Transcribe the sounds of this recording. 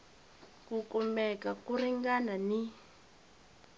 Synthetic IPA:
kukumbɛkakuriŋɡanani

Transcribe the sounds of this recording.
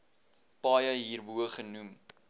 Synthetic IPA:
pɑːjəɦiːrbuəχənum

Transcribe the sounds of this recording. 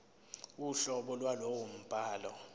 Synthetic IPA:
uɬɔɓɔlwalowom̩pʼaːlɔ

